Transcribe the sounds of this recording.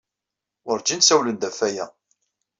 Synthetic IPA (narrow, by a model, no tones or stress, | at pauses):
ʊɾd͡ʒinsæwlənd̪æfæjæ